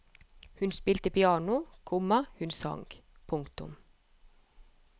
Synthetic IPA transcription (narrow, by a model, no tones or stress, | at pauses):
hʉnspiːlt̪əpʰɪɑːnʊkʰʊmɑhʉnsɑ̰ŋɡ | pʰʊŋkt̪ʊ̰m